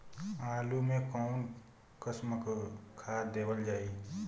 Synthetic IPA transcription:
aːlumẽkɔːʊn | kəsməkkʰaːd̪eːbəld͡ʒaːi

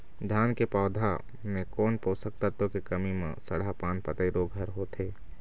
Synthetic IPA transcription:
d̪ʱjaːnkepaːd̪ʱa | mẽkɔːnpoːsək̚t̪at̪õkekɐmimḛ̃sɐ̰ɽapaːnpət̪əiɾoːɡʱɐɾɦot̪eː

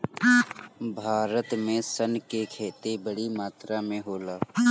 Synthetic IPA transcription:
bʱaːɾət̪mẽsənkekʰeːt̪ebəɽimaːt̪ɾamẽɦoːlaː

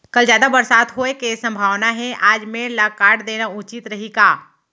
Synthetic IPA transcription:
kɐld͡ʒjaːd̪abɐɾsaːt̪ɦoekesɐ̃mbʱaːʋnaɦɛʔaːd͡ʒmẽlakaːɽd̪eːnaʊt͡ʃɪt̪ɾɐɦiɡaː

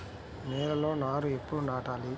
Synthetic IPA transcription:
nɛːɾɐlo̞ːnaːɾuepːuɽunaːʈaːli

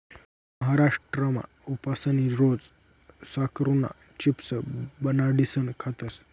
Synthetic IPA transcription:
məɦaɾaʂʈɾəma̰ | upasaniɾod͡z | sakʰɾuna̰ | t͡ɕipsəbənaɖisənkʰat̪əs

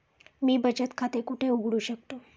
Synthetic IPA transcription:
mibəd͡ʒət̪kʰat̪ekuʈʰeuɡɽũʃək̚t̪u

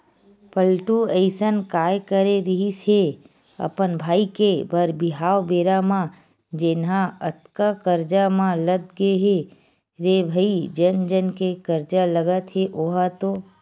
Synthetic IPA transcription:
pəlʈuəɪsənkaːjkəɾeɾɪɦise | ɐ̰pənbʱaːikebəɾbɪɦaːwbeːɾamã | d͡ʒenɦãət̪kakəɾd͡ʒamãləd̪̚ɡeɦe | ɾebʱəid͡ʒənd͡ʒənkekəɾd͡ʒaləɡət̪ɦeʔoɦat̪oː

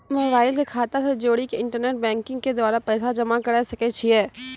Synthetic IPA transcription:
moːbaːɪlkekʰaːt̪əɾsed͡ʒoːɽikeɪ̃ɳʈəɾneːʈ̚bɛ̃ːŋkɪ̃ŋɡked̪aːɾapɛːsad͡ʒɐmakəɽasɐket͡ʃʰiɦɛː

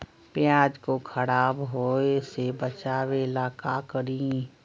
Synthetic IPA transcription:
pjãːd͡ʒkokʰəɽaːbɦoːesebət͡ʃaːʋelaːkakəɾĩ

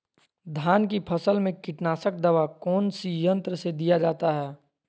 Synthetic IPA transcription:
d̪ʱaːnk̬ipʰɐsəlmẽkɪʈnaːsək̚d̪ɐʋakɔːnsijə̃nt̪ɾəsed̪ijad͡ʒaːt̪aɦɛː

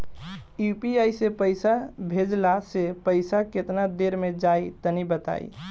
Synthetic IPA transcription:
jupiajsepəjsabʱed͡ʒlasepəɪsaket̪nad̪eɾmed͡ʒait̪ənibət̪a̰ḭ

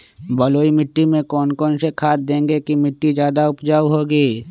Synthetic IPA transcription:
bəloːimɪʈːimẽkɔːnkɔːnsekʰaːt̪̚d̪ẽːŋɡekimɪʈːid͡ʒjaːd̪aʊpd͡ʒaːɦoːɡiː

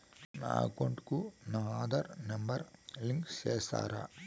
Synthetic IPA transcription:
na̰ːkoɳʈkunaːd̪ɐɾnɐmbɐɾliŋkt͡ʃeːst̪a̰ːɾa̰

